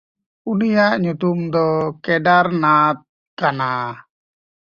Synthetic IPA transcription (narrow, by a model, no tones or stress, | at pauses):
unijaʔɲut̪umd̪ɔkɛɖaɾnat̪̚ | kana